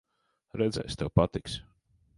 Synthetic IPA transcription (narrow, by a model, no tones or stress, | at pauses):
ɾɛd̪zɛ̰jst̪ɛwpat̪iksʲ